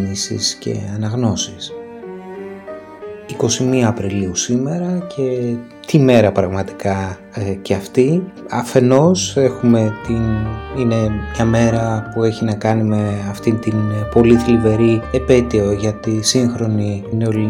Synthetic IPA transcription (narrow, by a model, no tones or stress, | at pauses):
nisḭsce̞̰ɐnɐɣno̞sis | iko̞simiɐːpɾiliusime̞ɾɐcʰe̞ | t̪ime̞ɾɐpɾɐɣmɐt̪i̥kɐ | ceɐft̪iɐfe̞no̞se̞xume̞t̪inine̞ɲɐme̞ɾɐpue̞çinɐkɐnime̞ɐft̪int̪inpo̞liθilive̞ɾiepe̞t̪ioʝɐt̪isiŋxɾo̞nineol